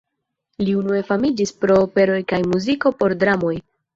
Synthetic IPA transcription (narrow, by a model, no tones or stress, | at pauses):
liunue̞famid͡ʒispɾo̞ːpe̞ɾo̞jkajmuziko̞po̞ɾdɾamo̞j